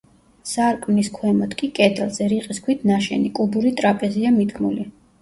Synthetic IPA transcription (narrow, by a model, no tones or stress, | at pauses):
saɾkʼniskʰwɛmɔt̪ʰkʼikʼɛt̪ʰɛlˠzɛɾiqʼiskʰwit̪ʰnaʃɛ̰nikʼubuɾit̪ʼɾapʼɛziamid̪kʰmuli